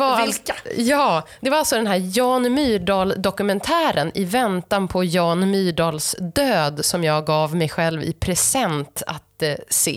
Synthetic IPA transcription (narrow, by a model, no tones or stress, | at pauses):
vaajɑːd̪ɛvaɾalsɔd̪ɛnɦæːɾjɑːnmyːɖɑːld̪ɔkɵmɛnt̪ʰæːɾənʔɪvɛnt̪anpʰɔjɑːnmyːɖɑːlsd̪øːd̪sɔmjɑːɡːɑːvmɛjɧɛlvɪ̰pʰɾɛsɛnt̪a̰t̪sḛː